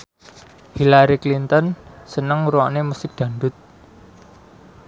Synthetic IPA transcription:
hilaɾiklint̪ɔnsənəŋɾuanemusɪk̚d̪̥ä̤ɳɖ̪ʊt̪̚

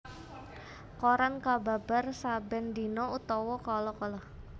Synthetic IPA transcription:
koɾankababarsabɛnd̪inɔut̪ɔwɔkɔlɔkɔlɔh

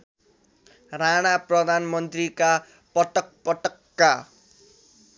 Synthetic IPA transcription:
raɽ̃aprʌd̪ʱanmʌnt̪rika | pʌʈʌk̚pʌʈʌkːa

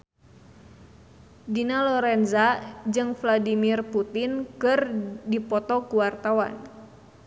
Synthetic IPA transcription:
dinalɔɾɛnzad͡ʒɨŋfladimirput̪inkɨrdipɔt̪ɔkuwart̪awa̰n

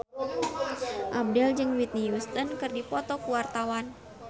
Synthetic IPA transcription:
ʔab̚dɛld͡ʒɨŋwit̪̚nijust̪ənkɨrdipɔt̪ɔkuwart̪awan

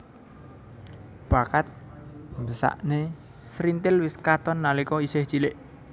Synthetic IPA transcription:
b̥a̤kat̪̚ | mbəsa̰ʔne | sɾint̪ɪlwɪskat̪ɔnːalikɔisɪht͡ʃilɪʔ

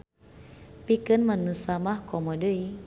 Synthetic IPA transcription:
pikənmanusamahkɔmɔdəi

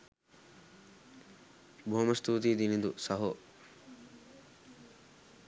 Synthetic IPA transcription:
bʱoːmɐst̪ʰuːt̪̬id̪inind̪ṵsɐɦo

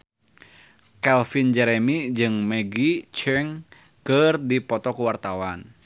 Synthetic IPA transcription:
kɛlfind͡ʒɛɾɛmid͡ʒɨŋmɛɡit͡ʃɛŋ | kɨrdipɔt̪ɔkuwart̪awan

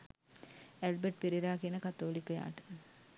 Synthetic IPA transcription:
ælbeʈ̚piɾiɾaːkenəkɐt̪ːoːlikːəja̰ːʈə̥

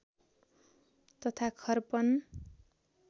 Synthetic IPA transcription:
t̪ʌt̪ʰakʰʌrpʌn

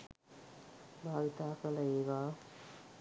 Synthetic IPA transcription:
bʱaːʋit̪aːkɐlɐeːʋaː

